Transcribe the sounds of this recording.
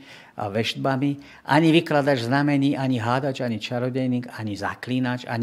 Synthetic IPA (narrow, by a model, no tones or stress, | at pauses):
ʔa̰ʋɛʒd̪̚bami | ʔa̰ɲiʋiklad̪ad͡ʒznamɛɲiːʔaɲiɦaːd̪ad͡ʒaɲit͡ʃaɾɔɟɛjniːɡaɲiza̰kliːnat͡ʃa̰ɲ